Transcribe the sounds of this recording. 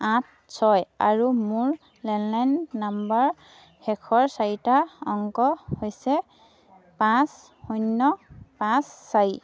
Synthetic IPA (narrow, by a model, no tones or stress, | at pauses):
ãt̚ʰ | sɔja̰ɹumuɹ | lɛnlajnːambaɹ | hɛkʰɔɹsajtaɔŋkɔhojsɛ | pãs | hujnːɔpãsːaj